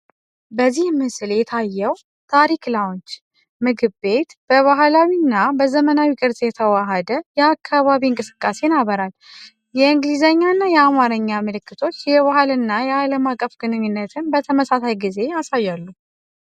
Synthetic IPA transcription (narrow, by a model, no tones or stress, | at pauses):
bəzːihmɨsɨljɛt̪ʰajːɛw | t̪ʰaɾiklawont͡ʃ | mɨɡɨbe̞t̪b̥əβaɦlawinːabəzəmənawikʼɨɾzʼjɛt̪ʰəwaɦəd̪əjɛakʰːaβaβiɨŋkʼɨsɨ̥kʼːase̞nabːəɾal | jɛɨŋɡlizaɲːanːajɛamaɾəɲːamɨlɨkːɨt̪ʰo̞t͡ʃːjɛβaɦɨlɨnːajɛaləmakʼːəfɡ̥ɨnɨɲːɨnːət̪ʰɨnbət̪ʰəməsasajɡize̞asajːalːu